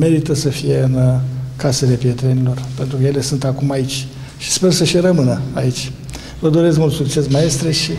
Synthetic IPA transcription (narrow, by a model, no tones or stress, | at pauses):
me̞ɾit̪əsəfije̞ɨnkase̞le̞pie̞t̪ɾe̞nilo̞rpe̞nt̪ɾukəje̞le̞sunt̪akumait͡ʃʲ | ʃi̥spe̞rsəʃiɾəmɨnəait͡ʃʲ | vəd̪o̞ɾe̞skmult̪sukt͡ʃe̞smae̞st̪ɾeʃi